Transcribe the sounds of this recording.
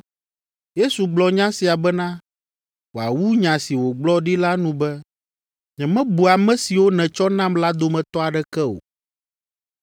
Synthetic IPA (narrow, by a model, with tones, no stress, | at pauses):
je˦su˨ɡ͡blɔ˨ɲã˦si˨a˨bɛ˦nã˦ | wo˨a̰˨wu˦ɲã˨si˨wo˨ɡ͡blɔ˦ɖi˦la˦nũ˦bɛ˦ | ɲɛ̃˨mɛ̃˦bu˨a˨mɛ̃˦si˨wo˦nɛ̃˨t͡ʃɔ˦nã˦mla˦d̪o˦mɛ̃˨t̪ɔ˦a˨ɖɛ˦kɛ˦o̰˨